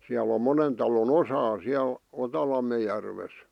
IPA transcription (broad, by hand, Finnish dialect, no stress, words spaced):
siæl om monen tɑlon osɑː siæl otɑlɑmːe jærʋes